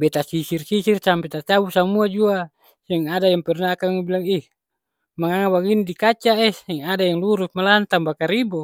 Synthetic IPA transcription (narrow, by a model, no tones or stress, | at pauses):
bet̪asisirsisirsampet̪at͡ʃabusamuad͡ʒua | seŋadajaŋpɛrnaːkaŋbilaŋih | maŋaŋabaɡindikat͡ʃaʔesɛŋadajaŋluɾusmalant̪ambakaɾibo